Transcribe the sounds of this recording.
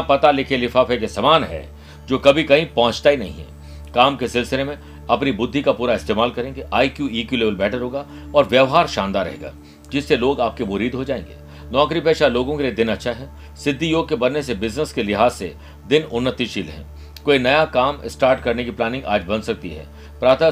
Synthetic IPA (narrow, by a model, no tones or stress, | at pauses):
pɐt̪alɪkʰelɪfaːfekesɐmaːnɦɛ̰ː | d͡ʒoːkɐbʱikɐɦĩpɐɦʊ̃t͡ʃt̪ainɐ̰ɦḭ̃ɦɛ̰ | kaːmkesɪlsɪlemẽ | ɐpnibʊd̪ʱːikapuːɾaɪst̪eːmaːlkɐɾẽːŋɡeʔaːikjuiːkjuleːbəlbɛːʈəɾɦoːɡa | ɔːɾʋjɐʋɦaːɾʃãːnd̪aɾɛ̰ɦḛːɡa̰ː | d͡ʒɪsːeloːɡaːp̚kemʊɾiːd̪ɦod͡ʒaːḛ̃ːŋɡḛː | nɔːkɾipeːʃaloːɡõkelied̪ɪnɐtːʃʰaɦɛ | sɪd̪ʱːijoːɡ̚kebɐnːesebɪznəskelɪɦaːzːḛ | d̪ɪnʊnːət̪ːiʃiːlɦɛ̰̃ː | koːinɐjakaːmɪ̰sʈaːɾʈkɐɾnekiplaːnɪ̃ŋɡa̰ːd͡ʒbɐnsɐk̚t̪ḭɦɛ̰ː | pɾaːt̪ə